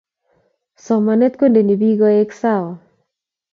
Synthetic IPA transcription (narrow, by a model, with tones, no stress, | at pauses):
sɔ˨ma˨nɛ˦t̪̚ko˦nde˨ni˨bi˦ɡɔ˦e˦ksa˦˨wɔ˨